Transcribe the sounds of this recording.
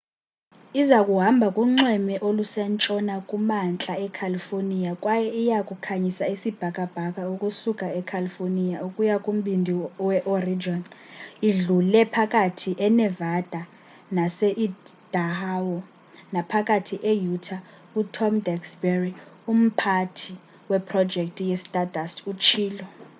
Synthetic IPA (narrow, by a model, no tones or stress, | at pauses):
izakʼuɦambʱakʼuŋ͡ǀɛmɛʔolusɛnt͡ʃʼɔnakʼumant͡ɬʼaɛkʰalifonijakʼwajɛijakʼukʰaɲisaisib̥ʱakʼab̥ʱak̬ʼaukʼusukʼaɛkʰalifonijaukʼujakʼum̩ɓindʱiwɛʔɔrid͡ʒɔniɮulɛpʰak̬ʼatʰiʔɛnɛvad̥ʱa | nasɛʔid̥ahawɔ | napʰakʼatʰiʔejutʰa | utʰɔmdʱɛksbɛrium̩pʰatʰi | wɛpʰrɔ̥d͡ʒʱek̚tʼijɛstʼadʱastʰut͡ʃʰiːlɔ